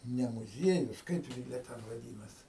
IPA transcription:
nʲɛ mʊˈzʲiɛjʊs ˈkɐɪp ɡʲɪ jiɛ ˈtʲɛn ʋɐˈdʲiːnɐs

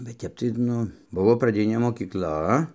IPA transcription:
bʲɛt ˈtʲɛp tɐɪ ˈnʊ ˈbʊʋoː prɐˈdʲɪnʲeː moːkʲiːkˈlˠɐ

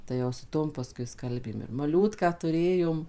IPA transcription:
tɐɪ jɛʊ sʊ ˈtoːm pɐˈskʊɪ ˈskɐlʲbʲeːm ɪr mɐˈlʲuːtkɑː tʊˈrʲeːjoːm

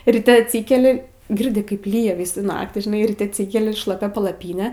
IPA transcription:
rʲɪˈtʲɛ ɐtʲˈsʲiːkʲɛlʲɪ ˈɡʲɪrʲdʲɪ ˈkɐɪp ˈlʲiːjɛ ˈʋʲiːsuː ˈnɑːktʲiː ʒʲɪˈnɐɪ rʲiːˈtʲɛ ɐtʲˈsʲiːkʲɛlʲɪ ʃlˠɐˈpʲɛ pɐlˠɐˈpʲiːnʲɛ

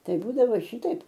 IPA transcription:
ˈtɐɪ ˈbuːdɐʋoː ˈʃʲɪtɐɪp

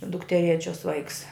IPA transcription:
dʊktʲɛˈrʲeːt͡ʃʲoːs ˈʋɐɪks

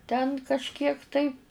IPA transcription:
tʲɛn kɐʃʲˈkʲiɛk tɐɪ

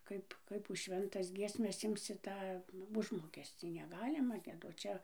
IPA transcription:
ˈkɐɪp ˈkɐɪp ʊʃ ˈʃʲʋʲɛntɐs ˈɡʲiɛsʲmʲɛs ˈɪmʲsʲɪ ˈtɑː ˈʊʒmoːkʲɛsʲt͡sʲiː nʲɛˈɡɑːlʲɪmɐ ɡʲiɛˈdoːt ˈt͡ʃʲɛ

